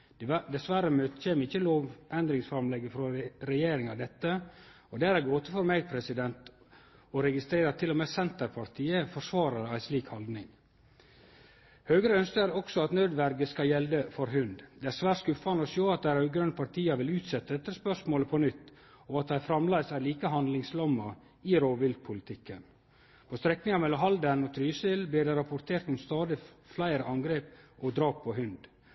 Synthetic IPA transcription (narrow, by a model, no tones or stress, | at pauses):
d̪ɛsʋæɾəmøːt̪çeːməɾɪçːəloːʋʔɛnd̪ɾɪŋsfɾɑmlɛɡəfɾɔɾɛjeːɾɪŋɑd̪ɛt̪ːə | ɔd̪ɛæɾæɾɡoːt̪əfɔɾmeːɡ̚pʰɾɛsɪd̪ɛnt̪ | ɔɾɛɡɪst̪ɾeːɾɑt̪ʰːɪlɔmesɛnt̪əɾpʰɑɾt̪ʰiːəfɔʂʋɑːɾɑɾəæɪsliːkhɑld̪nɪŋ | høːɡɾəœnskəæɾɔksɔɑt̪nød̪ʋæɾɡəskɑjɛld̪əfɔɾɦʉnd̪d̪ɛːæɾsʋæːʈskʉfɑnəɔʃoːɑt̪̚d̪æɾʉɡɾœnpʰɑɾt̪ʰiːɑʋɪlʉːt̪sɛt̪ːəd̪ɛt̪ːəspœʂmoːləpʰɔnʏt̪ː | ɔɑt̪̚d̪æɪfɾɑmlæɪsæliːkəɦɑnd̪lɪŋslɔmːɑ | ɪɾoːʋɪld̪̚pʰʊlɪt̪ʰɪkːən | pʰɔst̪ɾɛknɪŋɑmɛlːɔmɦɑld̪ənɔt̪ʰɾyːsəlbliːɖɛɾɑpʊɾt̪ʰeːɾt̪ʊmst̪ɑːd̪ɪ | flæɪɾəʔɑŋɡɾeːpʔɔd̪ɾɑːp̚pʰɔɦʉnd̪